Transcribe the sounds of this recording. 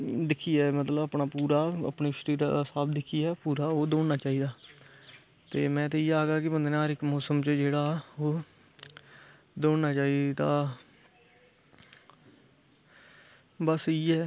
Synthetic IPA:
d̪ɪkʰːiːɛːmət̪ləbəpnaːpuːɾaːə̰pniːʃəɾiːɾaːd̪aːsaːbd̪ɪkʰːiːɛːpuːɾaːoːd̪oːɳnaːt͡ʃaːiːd̪aː | t̪eːmɛ̃ːt̪eːiːaːɡaːkɪbənd̪eːnãːɾɪkmoːsəmt͡ʃəd͡ʒeːɽaːoː | d̪oːɳnaːt͡ʃaːiːd̪aː | bəsiːɛː

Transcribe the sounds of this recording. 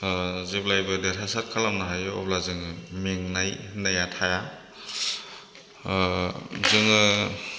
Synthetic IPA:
ziplajbɯdetʰasat̚kʰalamnaɦajɔ̰plazɯŋmeŋnajnajatʰaja | zɯŋɯ

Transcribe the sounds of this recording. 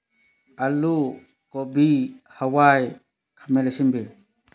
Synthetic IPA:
alu | kɔbihawaj | kʰamɛlesimbe

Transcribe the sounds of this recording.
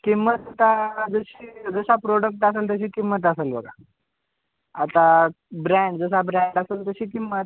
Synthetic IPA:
kimət̪at̪ad͡zəɕiːd͡zəɕapɾoɽək̚ʈaseːlt̪əɕiːkimːət̪̬aselbə̰ɡa̰ | t̪a | bɾɛ̃ɳɖd͡zəs̬abɾɛ̃ɳɖaseːlt̪əɕiːkimːət̪

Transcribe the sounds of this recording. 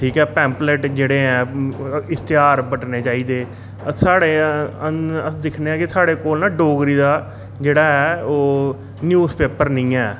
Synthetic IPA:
ʈʰiːkɦɛːpɛ̃ːmpleʈd͡ʒeːɽeːɦɛ̃ːɪst̪jaːɾbəʈneːt͡ʃaːiːd̪eː | əsaːɽeːəəd̪ɪkʰneːãːkɪsaːɽeːkoːlnãːɖoːɡɾiːd̪aː | d͡ʒeːɽaːɦɛːoː | njuːzpeːpəɾnəĩːɛː

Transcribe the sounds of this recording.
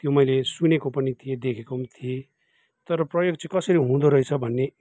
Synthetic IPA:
t̪jomʌjlesunekopʌnit̪ʰijed̪ekʰekomt̪ʰije | t̪ʌɾʌprʌjoɡt͡sʌ̃kʌsʌɾiɦũd̪oɾʌjt͡sʰʌbʱʌnːe

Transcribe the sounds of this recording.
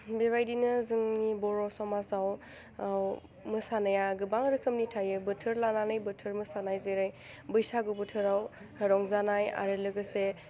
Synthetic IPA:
beβajdinɯzɯŋnibɔɾɔsɔmazaw | aw | mɯsanajaɡɯbaŋɾɯkʰɯmnitʰajɯbɯtʰɯɾlananɯjbɯtʰɯɾmɯsanajzeɾaj | bɯjsaɡubɯtʰɯɾaw | hɐɾɔŋzanaja̰ɾɯlɯɡɯse

